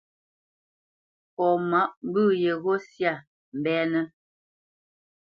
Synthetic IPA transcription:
ɔ˨ma˨˦ʔm˦bʉ˦˨je˨ɣɔ˦sja˦˨ | m̩˨bɛː˦nə˦

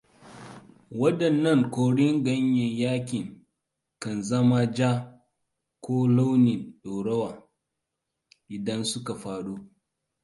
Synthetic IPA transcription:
wɐ˦dɐ˨nːɐ˦˨ŋkʷoː˨ɽɪ˦ŋɡɐ˦ɲjɐ˨jaː˦kʲɪ˨ŋ | kɐ˨nzɐ˦ma˦d͡ʒaː˦ | kʷʰoː˦la˦wnɪ˨nɗoː˨ɽɐ˦waː˨ | ʔɪ˨dɐ˦nsʊ˦ka˨ɸaː˨ɽu˦

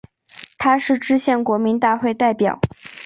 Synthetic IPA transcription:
t̪ʰa˥ʂɻ̩˥˩ʈ͡ʂɻ̩˥ɕjɛ˥˩nkwɔ˧˥mi˧˥nt̪a˥˧xwe˥˧ɪt̪a˥˩ɪpjɑ˨˩˦ʊ

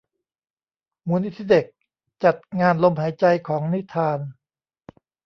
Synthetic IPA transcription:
muː˧˦ni˦˥t̪ʰiː˦˥˩de˨˩k̚ | t͡ɕa˨˩t̪̚ŋaː˧nlo˧mɦaː˩˦jt͡ɕa˧jkʰɔː˩˦ŋni˦˥t̪ʰaː˧n

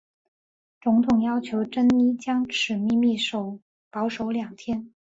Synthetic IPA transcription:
t͡sʊ˧˥ŋt̪ʰʊ˨˩ŋjɑ˥ʊt͡ɕʰjo˧˥ʊʈ͡ʂə˥ni˥t͡ɕjɑ˥ŋʈ͡ʂʰɻ̩˨˩mi˥˧mi˥˩ʂo˧˩ʊ | pɑ˧˥ʊʂo˧˥ʊljɑ˨˩ŋt̪ʰjɛ˥n

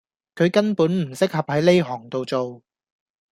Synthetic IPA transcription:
kʰɵ˨˧ɥkɐ˥npuː˨˥nm̩˨˩sɪ˥k̚hɐ˨p̚hɐ˨˥jle˥jɦɔː˨˩ŋt̪o˨wt͡so˨w

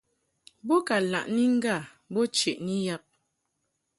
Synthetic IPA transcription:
bɔ˦ka˨la̰˨ʔni˦ŋ̩˦ɡa˦˨ | bɔ˦t͡ʃe˨ʔni˦ja˦p̚

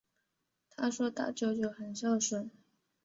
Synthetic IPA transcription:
t̪ʰa˥ʂwɔ˥t̪a̰˥˩t͡ɕjo˧˩ʊt͡ɕjo˥˩ʊxə˨˩nʂɑ˥˩ʊʂwə˨˩˦n

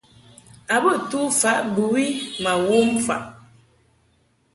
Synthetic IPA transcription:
a˨bə˦˨tu˦fa˨˦ʔbu˨wi˦ma˨wo˦mfa̰˨ʔ

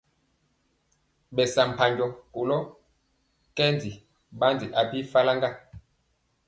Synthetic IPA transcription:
ɓɛ˨sa˨m̩˨pʰa˨ɲɟɔ˨ku˨lɔ˦ | kɛ˦nd͡zi˨ | ɓa˦nd͡zi˨ʔa˨pi˦fa˦la˦ŋɡa˦˨

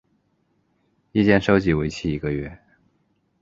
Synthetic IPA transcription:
i˥˧t͡ɕjɛ˥˧nʂo˥ʊt͡ɕi˧˥we˧˥ɪt͡ɕʰi˥˩i˧˥ɡə˧ɥɛ˥˩

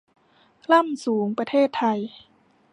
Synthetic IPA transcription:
la˥˩˨msuː˩˦ŋpɾa˧t̪ʰeː˥˩t̪ʰːa˧j

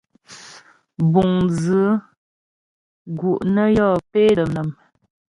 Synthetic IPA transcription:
bu˨ŋzə˨˦ | ɡu˨ʔnə˦jɔ˦˨pe˦ɾə˨mnə˨m

